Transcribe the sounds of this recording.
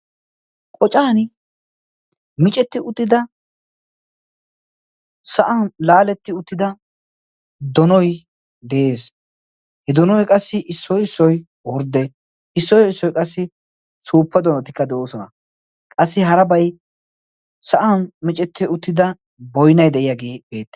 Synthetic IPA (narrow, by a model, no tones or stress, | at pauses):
kʼɔt͡ʃʼaːn | mɪt͡ʃʼɛt̪ːɪʊt̪ːɪd̪ɐ | sɐʔanlaːlɛt̪ːɪʊt̪ːɪd̪ɐ | d̪ɔnɔj | d̪ɛʔeːs | hɛd̪ɔnɔjkʼɐsːɪʔɪsːɔjɪsːɔj | wɔɾd̪ɛ | ɪsːɔjɪsːɔjkʼɐsːɪ | suːpːɛd̪ɔnɔt̪ɪ̥kːɐd̪ɛʔoːsɔnɐ | kʼɐsːɪɦɐɾɐbɐj | sɐʔanmɪt͡ʃʼɛt̪ːɪʊt̪ːɪd̪ɐ | bɔjnɐjd̪ɛʔɪjaɡe̞ːbe̞ːt̪ːɛ̥